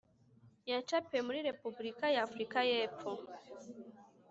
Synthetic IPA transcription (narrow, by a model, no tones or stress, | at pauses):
jat͡ʃapɛmuɾiɾepublikajaːfɾikajɛpɔ